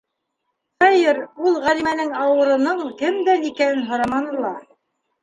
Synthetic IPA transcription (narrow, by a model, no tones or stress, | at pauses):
χɑjɤɾulˠʁælimænɘŋɑwɤ̆ɾɤ̆nɤɴkɘmd̪ænikænɘnɦŏɾɑmɑnɤ̆lˠɑ